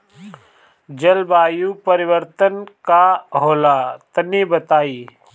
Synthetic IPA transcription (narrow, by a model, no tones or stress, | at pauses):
d͡ʒɐlbaːjupəɾɪwəɾt̪ənkaɦoːlat̪ɐnibət̪aːiː